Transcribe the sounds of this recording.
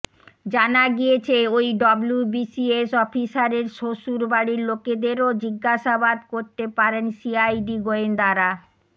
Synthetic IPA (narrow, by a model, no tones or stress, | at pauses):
d͡ʑanaɡijet͡ɕʰeojɖɔblubisiesɔfʰisaɾeɾʃoʃuɾbaɽiɾloked̪eɾod͡ʑiɡːaʃabad̪koɾt̪epaɾenʃiajɖiɡoend̪aɾa